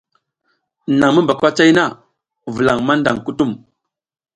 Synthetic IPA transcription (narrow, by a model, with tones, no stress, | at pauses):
na˨ŋmə˦mba˨kwa˦t͡ʃa˦jna˦˨ | vu˨la˨ŋma˦nda˨ŋku˦tu˦m